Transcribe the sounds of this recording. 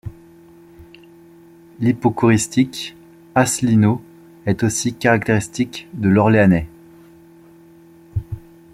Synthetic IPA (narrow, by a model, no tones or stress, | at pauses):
lipokuʁist̪ik | aslino | ɛt̪osikaʁak̚t̪eʁist̪ikd̪əlɔʁleanɛ